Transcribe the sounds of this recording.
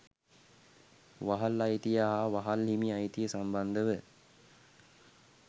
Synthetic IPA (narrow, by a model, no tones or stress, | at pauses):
ʋaɦalːajt̪ijaɦaːʋaɦalɦimiajt̪ijəsamband̪əʋə